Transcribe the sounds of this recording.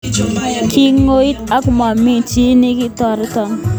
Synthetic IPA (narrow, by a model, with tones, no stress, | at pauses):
kʰi˦ŋːo˦i˦ta˦kma˨mi˦t͡ʃi˦nɪ˦kɪ˦tɔ˨ɾtɔ˨ŋ